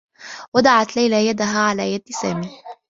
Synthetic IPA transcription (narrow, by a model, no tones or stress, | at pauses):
wad̪aʕat̪lajlajad̪aɦaːʕalaːjad̪saːmiː